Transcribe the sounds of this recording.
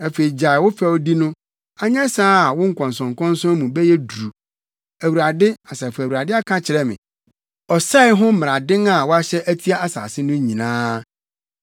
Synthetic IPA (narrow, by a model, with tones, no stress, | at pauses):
æ˨fe˨ɾi˨d͡ʑa˨ɪ˨wʊ˦fɛ˨ɔ˨di˦nʊ̃˦ | a˦ɲã˦saː˦˨wʊ̃˦ŋ̩˦kʷʰɔ̃˨n˨s̬ɔ̃˨ŋ˨kʰɔ̃˦n̩˦sɔ̃˦mũ˨bɛ˦jɛ˦du˨ɾu˨ | æ˨wu˨ɾa˨dɪ˦a˨sa˨fa˨wu˨ɾa˨dɪ˦a˦kʰã˦t͡ɕʰɪ˨ɾɛ˦mɪ̰̃˨ | ɔ˨sa˦ɪ˦ɦʊ̃˦m̩˦m˨ɾa˨dɪ̃˦ŋa˨wɔ˦a˦ɕɛ˦ʔæ˦tʰi˦a˦a˦sa̰ː˨sɪ˦nʊ̃˦ɲĩ˨nãː˦